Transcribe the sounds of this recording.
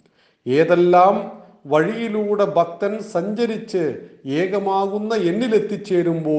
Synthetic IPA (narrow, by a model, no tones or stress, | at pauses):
eːðelːaːm | ʋɐɻijiluːɽe̞bʱɐk̚t̪ɐnsɐɲd͡ʑɐɾit͡ɕːɨeːɣɐmaːɣunːɐe̞nːilet̪ːit͡ɕːeːɾumbo̞ː